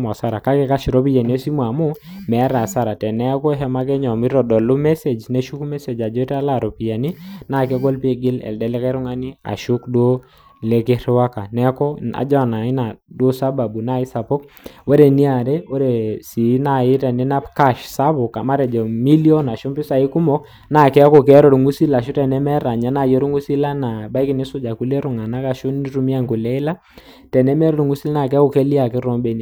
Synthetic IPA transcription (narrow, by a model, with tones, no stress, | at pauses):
m˨a˨sa˦ɾa˨ka˦kɛ˦ka˦ʃɾo˦pi˦ja˨ni˨o˦si˦mwa˨mʊ˦mɛ˨˦ɾa˨sa˦ɾa˨tɛ˨nɛ˦kɔ˦ɦɛ˦ma˦kɛ˦ɲɔ˨mi˦ɾɔ˨dɔ˨lʊ˦mɛ˦se˨d͡ʒne˦ʃu˦ku˦mɛ˦se˨d͡ʒa˨d͡ʒɔ˦ta˦la˦˨ɾɔ˨pi˨ja˨ni˦na˦˨kɛ˦ɡɔ˦lpi˦e˦ɡɪ˦lɛ̰˨ldɛ˨˦lɛ˦ka˦ɾɔ˦ŋa˦ni˦a̰˨ʃʊ˦kdwo˦ | le˦kɪ˦ɾwa˦ka˨nɛ˦kɔ˦a̰˨d͡ʒɔ˦˨na˨ɪ˦na˨dwo˦sa˦ba˨bu˨na˦ɪ˦sa˨po˦k | wɛ˦ɾe˨ni˦a˨ɾɛ˦o˦ɾe˨si˨˦na˨ɪ˦tɛ˨nɪ˦na˦pka˦˨ʃsa˦βʊ˨ka˨ma˦ɾɛ˨d͡ʒɛ˨mi˦li˦ɔ˦na˨ʃʊ˦mpɪ˦sa˨i˦ku˦mɔ˦k̚ | na˨kɛ˦a˦kɔ˨kɛ˦ɾɔ˨ɾu˨ŋu˦si˦la˨ʃʊ˦tɛ˨nɛ˦mɛ˦ɾa˨ɲa˨˦na˨je˦ɾu˦ŋu˦si˦la˦na˨ba˦i˦kɪ˨˦nɪ˦sʊ˦d͡ʒa˨ku˦le˦ɾʊ˨ŋa˨na˦ka˨ʃʊ˦ni˦ɾu˦mi˦a˦ŋku˨lɛ˦ɪ˦la˦ | tɛ˨nɛ˦mɛ˦ɾɔ˦ɾu˨ŋu˦si˦la˦na˨kɛ˦ko˨ke˦li˦a˨kɪ˦ɾɔ˦mbe˨n˨